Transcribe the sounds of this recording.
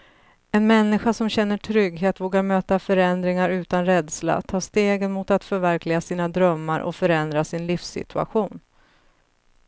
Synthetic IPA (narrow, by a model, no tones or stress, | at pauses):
ɛnmɛnːɪɧasɔmɕɛnːəʈʰɾʏɡɦeːt̪voːɡaɾmøːt̪afœɾɛnd̪ɾɪŋaɾʉ̟ːt̪anɾɛd̪sla̰t̪ʰɑːʂt̪eːɡənmʊt̪at̪fœɾvæɾkʰlɪɡasiːnad̪ɾœmːaɾʔɔ̰fœɾɛnd̪ɾasɪnlifsɪ̰t̪ʰɵa̰ɧuːn